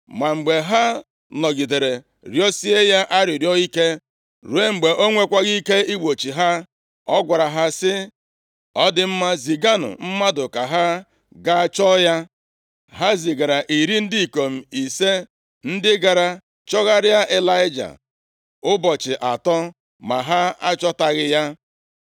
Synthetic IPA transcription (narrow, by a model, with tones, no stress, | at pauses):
ma˨ŋ͡m̩˨ɡ͡be˨ɦa˦ | lɔ˨ɡi˨de˨ɾe˨ | ɾjɔ˦si˦e˦ja˦ʔa˦ɾɪ˨ɾjɔ˦i˦ke˦ | ɾu˨e˦ŋ͡m̩˨ɡ͡be˨ʔo˦ŋʷe˦kʷa˦ɣi˦ke˦i˦ɡ͡bo˨t͡ʃi˨ɦa˦ | ɔ˦ɡʷa˨ɾa˨ɦa˦sɪ˦ | ɔ˦dɪ˦m̩˦ma˦zi˨ɡa˦nʊ̰˨m̩˦ma˦dʊ˨ka˨ɦa˦ | ɡa˦˨t͡ʃɔ˦ja˦ | ɦa˦zi˨ɡa˨ɾa˨ʔi˨ɾi˦n̩˦di˦i˨ko˨m̩˨i˨se˦ | n̩˦dɪ˦ɡa˨ɾa˨ | t͡ʃɔ˦ɣa˦ɾɪ˦a˦ʔe˦la˦ɪ˦d͡ʒa̰˨ | ʊ˦bɔ˨t͡ʃɪ˨ʔa˨tɔ˦ | ma˨ɦa˦a̰˦t͡ʃɔ˦ta˨ɣɪ˦ja˦